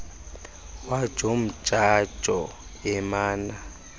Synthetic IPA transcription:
wḁʒ̥ʱom̩t͡ʃʼḁʒ̥ʱɔ | ɛmaːna

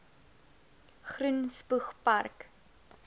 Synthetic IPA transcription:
χrunspuχpɐrk

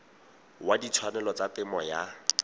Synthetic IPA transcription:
wadit͡sʰwanɛlɔt͡satɪmɔja

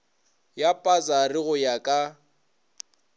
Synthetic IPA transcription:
japʼat͡sʼarɪɣʊjakʼa

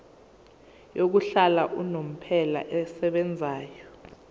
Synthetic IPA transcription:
jok̬uɬalaʔunom̩pʰɛla̰ʔɛsɛɓɛnd͡zʱaːjɔ

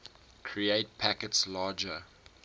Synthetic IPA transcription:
kʰɹieɪt̚pʰækətslɑːd͡ʒə

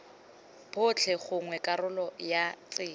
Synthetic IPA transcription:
pʰʊt͡ɬʰɛχʊŋwɛkʼarʊlɔjat͡sʼɪː

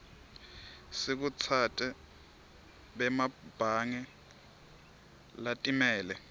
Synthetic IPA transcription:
sik̬ut͡sʰatʼɛ | ɓɛmab̥ʱaŋɛ | latʼimɛːlɛ

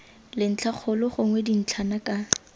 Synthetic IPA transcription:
lɪn̩t͡ɬʰak͡xʰʊlɔχʊŋwɛdin̩t͡ɬʰanakʼa

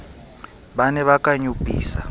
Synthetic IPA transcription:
banɛβakʼaɲupʼḭːsa

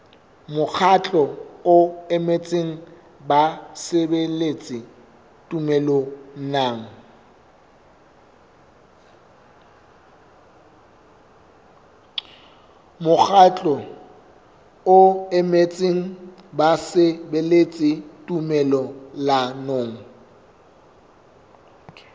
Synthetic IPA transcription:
mʊk͡xʰat͡ɬʼɔʊɛmet͡sʼɪŋ̩ | basɪbelet͡sʼɪ | tʼumɛlon̩naːŋ̩ | mʊk͡xʰat͡ɬʼɔ | ʊɛmet͡sʼiŋ̩basɪbelet͡sʼɪtʼumɛlɔlanoːŋ̩

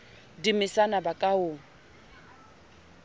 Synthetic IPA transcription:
dimɪsanabakʼaʊːŋ̩

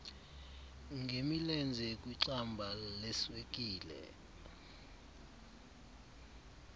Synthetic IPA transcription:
ŋʱemilɛnd͡zʱɛkʼwiǀambʱalɛswek̬ʼiːlɛ̰

